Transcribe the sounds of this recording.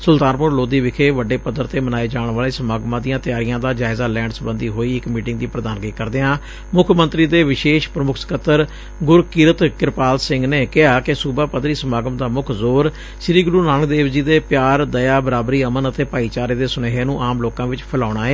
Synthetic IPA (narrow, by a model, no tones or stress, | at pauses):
sʊlt̪aːnpʊɾloːd̪iːʋɪkʰeːʋəɖeːpəd̪əɾt̪eːmənaːeːd͡ʒaːɳʋaːleːsəmaːɡmãːd̪ijãːt̪ɪjaːɾijãːd̪aːd͡ʒaːɪzaːlɛ̃ːɳɖsbənd̪iːɦoːiːɪkmiːʈɪ̃ŋɡ̚d̪iːpɾəd̪aːnɡəiːkəɾd̪eːãː | mʊkʰmə̃nt̪ɾiːd̪eːʋɪʃeːʃpɾəmʊkʰskət̪əɾ | ɡʊɾkɪɾət̪kɪɾpaːlsɪ̃ŋɡneːkɪɦaːkɪsuːbaːpəd̪ɾiːsəmaːɡəmd̪aːmʊkʰzoːɾ | ʃɪɾiːɡʊɾuːnaːnək̚d̪eːʋd͡ʒiːd̪eːpjaːɾd̪əjaːbəɾaːbɾiːəmənət̪eːpaːiːt͡ʃaːɾeːd̪eːsʊneːɦeːnũːʔaːmloːkãːʋɪt͡ʃpʰəlaːɽ̃aːɦɛː